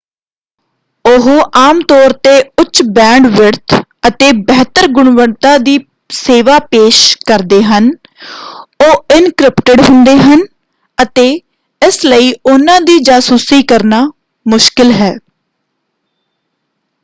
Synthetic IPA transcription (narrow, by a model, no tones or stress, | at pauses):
ʊɦoːʔaːmt̪ɔːɾt̪eːʊtːʃbɛ̃ːɳɖʋɪɾt̪ʰət̪eːbɛɦt̪əɾɡʊɽʋəɳt̪aːd̪iː | seːʋaːpeːʃkəɾd̪eːɦən | oːɪnkɾɪpʈəɖɦʊnd̪eːɦən | ət̪eː | ɪsləiːʊnãːd̪iːd͡ʒaːsuːsiːkəɾnaː | mʊʃkɪlɦɛː